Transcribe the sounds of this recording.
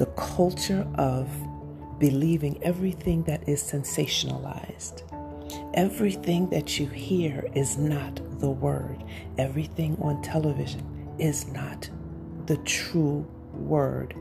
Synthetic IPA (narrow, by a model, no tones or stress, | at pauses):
ðɨkʰʌlˠt͡ʃə˞ʔʌv | bɨlivɪ̃ŋɛvɹiθɪ̃ŋðɨɾʔɪz̥sɛ̃nseɪʃɨnə̰la̰ɪz̥d̥ | ʔɛvɹiθɪ̃ŋðɨt͡ʃɨhiɹɪznət̪̚ðəwɜ̰˞d | ʔɛvɹiθɪ̃ŋə̃ntʰɛlˠəvɪʒɨ̃n | ɪznət̪̚ | ðɨtʰɹ̥u | wɜ̰˞d̥